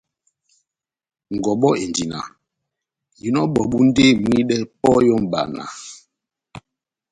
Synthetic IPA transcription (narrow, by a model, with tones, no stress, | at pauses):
ŋ˨ɡɔ˨ɓɔ˦e˨ndi˨na̰˨ | ji˨nɔ˦ɓɔ˨ɓu˦n˦de˦˨mwi˦ɗɛ˦pɔ˦jɔ˦mɓa̰˨na̰˨